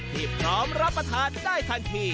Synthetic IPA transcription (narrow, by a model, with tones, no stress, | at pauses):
t̪ʰiː˧˩pʰɾɔː˦˥mɾa˦˥pɾa˧t̪ʰaː˧˥ndaː˥˩jt̪ʰa˧nt̪ʰiː˧